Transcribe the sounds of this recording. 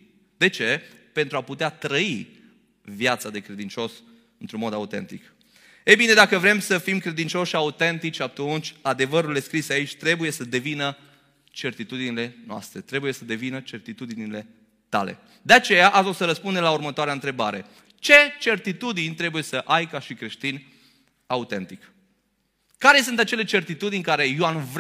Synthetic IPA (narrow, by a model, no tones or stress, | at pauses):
d̪e̞t͡ʃe̞pe̞nt̪ɾuaput̪eat̪ɾəi | vjat̪sad̪e̞kɾe̞d̪int͡ʃo̞s | ɨnt̪ɾunmo̞d̪aut̪e̞̰nt̪ik | ejbine̞d̪akəvɾe̞msəfimkɾe̞d̪int͡ʃo̞ʃaut̪e̞nt̪it͡ʃʲat̪unt͡ʃʲad̪e̞vəɾule̞skɾiseait͡ʃʲt̪ɾe̞buje̞səd̪e̞vinə | t͡ʃe̞rt̪it̪ud̪inile̞noa̰st̪ɾe̞t̪ɾe̞buje̞səd̪e̞vinət͡ʃe̞rt̪it̪ud̪inile̞ | t̪a̰le̞̰ | d̪eat͡ʃe̞jaʔaosəɾəspund̪emlaurmət̪oaɾeaɨnt̪ɾe̞ba̰ɾe̞ | t͡ʃe̞t͡ʃe̞rt̪it̪ud̪inʲt̪ɾe̞buje̞səʔajkaʃikɾe̞ʃt̪inʲ | aut̪e̞nt̪ik | kːaɾe̞sɨnt̪at͡ʃe̞le̞t͡ʃe̞rt̪it̪ud̪inʲkaɾe̞janv